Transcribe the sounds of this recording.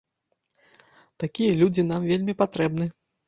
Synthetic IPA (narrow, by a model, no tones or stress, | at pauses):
t̪akʲijɐlʲud͡zʲinamvʲelʲmʲipat̪ɾɛbnɨ